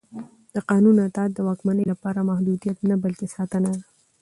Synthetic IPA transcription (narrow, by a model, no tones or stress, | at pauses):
d̪̥əqɑnunat̪ɑːt̪̚d̪əwɑkmanəjlapɑɾamahd̪ud̪ijat̪nabəlkesɑt̪ənad̪a